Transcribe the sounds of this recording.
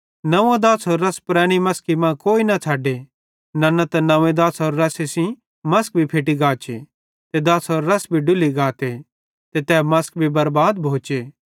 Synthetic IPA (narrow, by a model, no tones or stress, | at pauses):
nɐ̃ẽd̪aːsɦoːɾːɐspɾɛːɽ̃imɐskimãkoːinɐt͡sʰaːɖe | nɐnɐt̪ɐnɐ̃ẽd̪aːsɦoːɾːɐsesĩ | mɐsk̚bʱipʰeːʈ̬iɡaːt͡ʃḛ | t̪ed̪aːsɦoːɾːɐsbʱiɖʊliɡaːt̪e | t̪et̪ɛːmɐsk̚bʱibɐɾbaːd̪̚bʱoːt͡ʃeː